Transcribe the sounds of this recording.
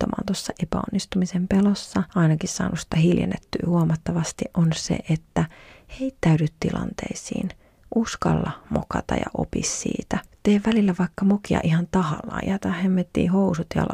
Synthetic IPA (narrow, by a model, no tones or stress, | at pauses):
omɑ̰ːnt̪osːɑʔepæonːist̪umisempelosːɑɑinɑkissɑ̰ːnusit̪æhiljḛnːet̪ːyːhuomɑt̪ːɑʋɑst̪iʔʔonsḛʔet̪ːæheit̪ːæydyt̪t̪ilɑ̰nt̪ḛisḭːn | ʔuskɑlːɑmokɑt̪ɑjɑ̰ʔo̰pisːḭːt̪æt̪eːʋʋælilːæʋɑikːɑmokiɑ̰ʔihɑnt̪ɑhɑlːɑ̰ːjɑt̪ɑhemːet̪ːḭːhousut̪jɑ̰l